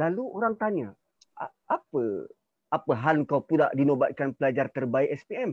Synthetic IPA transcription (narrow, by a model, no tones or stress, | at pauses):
laluoɾaŋt̪aɲa | a | apə | apəɦalŋkawpuda̰ʔdinobat̪̚kanpəlad͡ʒart̪ərbaiʔɛspiɛm